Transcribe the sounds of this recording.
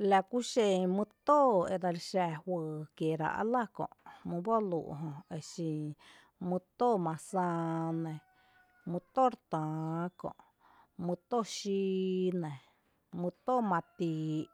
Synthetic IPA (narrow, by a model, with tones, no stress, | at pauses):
la˧ku˦ʃe˧mũ˧t̪o˦e˧d̪a˧ɾʃɛ˧hwəː˨kje˨ɾa̰˧˨ʔa̰˧la˦kõ̰˧˨ʔmũ˧bo˦lṵ˨ʔɦõ˧e˧˨ʃĩ˧ | mũ˧t̪o˦˨mã˨sãː˧nẽ˨ | mũ˧t̪o˦˨ɾt̪ãː˨kõ̰˧˨ | mũ˧t̪o˦˨ʃi˦˧˦nẽ˨ | mũ˧t̪o˦˨mã˧t̪iː˧˨˧